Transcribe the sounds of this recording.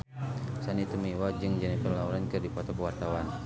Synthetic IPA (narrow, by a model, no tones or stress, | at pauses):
sanit̪əmiwad͡ʒɨŋd͡ʒanipənlauɾankɨrdipɔt̪ɔpəwart̪awan